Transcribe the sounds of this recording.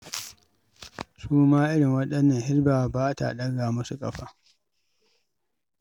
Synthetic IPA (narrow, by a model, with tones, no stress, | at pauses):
suː˦maː˦ʔɪ˦ɽɪ˨ŋwɐ˦ɗɐ˦nːɐ˨nhɪ˦ɾbaː˨baː˦ta̰˨ɗɐ˦ɡaː˨mɐ˦su˨kʼɐ˨ɸaː˦